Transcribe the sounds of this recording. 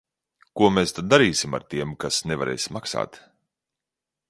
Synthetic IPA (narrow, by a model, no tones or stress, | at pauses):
kuɔmeːst̪ad̪̚ːaɾiːsima̰ɾt̪iɛmkasnevaɾɛ̰jsmaksa̰ːt̪